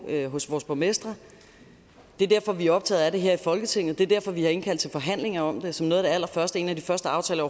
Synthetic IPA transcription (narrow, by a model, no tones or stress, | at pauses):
øɦɔ̽sʋɒːsb̥ʰomesd̥ʁɐ | d̥e̝ɐd̥æɐ̰fɒ̽ʋiæɒ̽b̥̚t͡sʰɛ̰ːðˠæɾ̥e̝ɦeɐ̰ifɒ̽lɡ̥ət͡sʰe̝ŋ̰ð̩ˠd̥e̝ɐd̥æɐfɒ̽ʋihɑ̈e̝nkʰæl̰d̥t͡sʰe̝lfɒ̽ɦæn̰le̝ŋɐɒ̽md̥e̝sɒ̽mno̽ːð̩ˠd̥eæl̰ɐfɶɐsd̥əe̝̰ːnæd̥ifɶɐsd̥əɑ̈ʊt͡sʰɛ̰ːlɒ